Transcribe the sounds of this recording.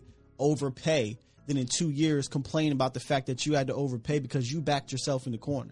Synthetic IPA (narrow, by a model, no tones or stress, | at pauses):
oʊvə˞pʰeɪ | ðɨ̃nɨ̃ntʰʉjɪɹz̥kʰə̃m̩pʰl̥ẽɪ̃ñəbaʊt̪̚ðɨfæk̚ðɨt͡ʃɨɨd̚tɨoʊvə˞pʰeɪbɨkʰʌzjɨbæk̚t͡ʃə˞sɛlˠfn̩ðɨkʰɔɹnə̰˞